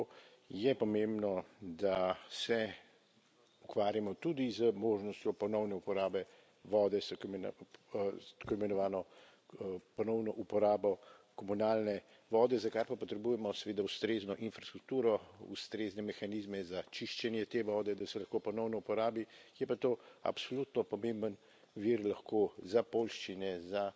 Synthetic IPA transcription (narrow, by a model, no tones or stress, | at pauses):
jɛpɔmẽmbnɔd̪asɛ | ukʋaːɾjamɔt̪ud̪izəmoʒnɔst̪jɔpɔnɔwnɛupɔɾaːbɛ | ʋɔːd̪ɛsk | t̪koimɛnɔʋaːnɔ | pɔnɔwnɔʔupɔɾaːbɔkɔmunaːlnɛ | ʋɔːd̪ɛzakaɾpapɔt̪ɾɛbujɛmɔsɛʋeːd̪aust̪ɾeːznɔʔinfɾast̪ɾuk̚t̪uːɾɔṵst̪ɾeznɛmɛxanizmɛzat͡ʃiʃt͡ʃɛnjɛt̪eʋɔːd̪ɛd̪asɛlaxkopɔnɔwnɔupɔɾaːbijɛpat̪oːa̰psolut̪nɔpɔmẽmbən | ʋiɾlaxkozapolʃt͡ʃinɛza